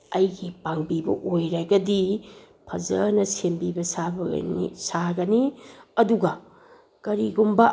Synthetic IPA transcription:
ɐjɡipaŋbibɐ̰ʔojɾaɡɐdi | pʰɐzɐnɐsembibɐsabɐ̰ḭsaɡɐniɐduɡɐ | kɐɾiɡumbɐ

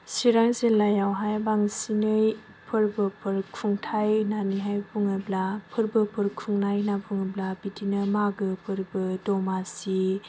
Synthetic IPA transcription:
siɾaŋzelːajawɦajbaŋsinɯj | pʰɯɾbɯpʰɯɾkʰuŋtʰajnaniɦajpʰuŋɯblapʰɯɾbɯpʰɯɾkʰuŋnajnapʰuŋɯblabitʰinɯmaɡɯpʰɯɾbɯdɔmasi

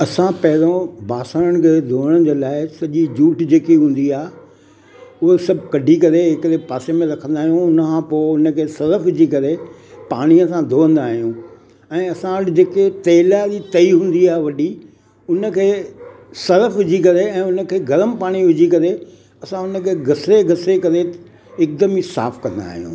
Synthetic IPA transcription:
ɐsãpɐɦɪɾõbaːsaːɾəɽ̃əkʰeːd̪ʱoːəɽ̃d͡ʑeːlaːɪsɐʄid͡ʑuːʈd͡ʑeːkiɦũːn̆d̪iaːɦ | ʊɦosɐbʱkɐɖʱikɐɾeɦɪkɪɾepaːsemẽɾɐkʰə̃nd̪aːɦijũʊnə̆kʰãpoːɪʊnəkʰeːsɐɾəfʋɪd͡ʑʱikɐɾe | paːɽ̃iəsãd̪ʱoːə̃nd̪aːɦijũ | ɛ̃ːɐsãəɽɪd͡ʑeːket̪ɐːlaɾit̪ɐiɦũːn̆d̪iaːʋɐɗi | ʊnəkʰeː | sɐɾəfʋɪd͡ʑʱikɐɾeɛ̃ːʊnə̆kʰeːɡɐɾəmpaːɽ̃iʋɪd͡ʑʱikɐɾe | ɐsãʊnəkʰeːɡɐseɡɐsekɐɾe | ɪk̚d̪əmisa̰ːfkɐ̃nd̪a̰ːɦijṵ̃ː

